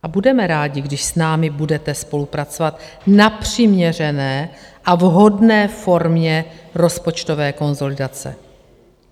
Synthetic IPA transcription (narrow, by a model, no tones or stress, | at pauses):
ʔabudɛmɛɾaːɟɪɡdɪʃsnaːmɪbudɛt̪ɛspo̞lupɾat͡so̞vat̪ | napr̥ɪmɲɛr̝ɛnɛːʔavɦo̞dnɛːfo̞ɾmɲɛɾo̞spot͡ʃt̪ovɛːko̞nzo̞lɪdat͡sɛ̰